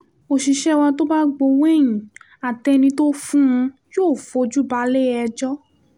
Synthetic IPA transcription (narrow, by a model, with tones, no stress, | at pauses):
o˨ʃi˨ʃɛ˦wa˧to˦ba˦ɡ͡bo˧we˦˨jĩ˨ | a˨tɛ˧nĩ˧to˦fũ˦ũ˧joː˦˨fo˧˦d͡ʒu˦ba˧˦le˦ɛ˧d͡ʒɔ˦